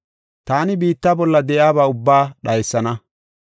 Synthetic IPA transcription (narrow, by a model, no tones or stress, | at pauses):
t̪aːnɪbiːt̪ːaːbɔlːɐd̪ɛʔjaːbaːʊbːaːɗɐjsːɐnɐ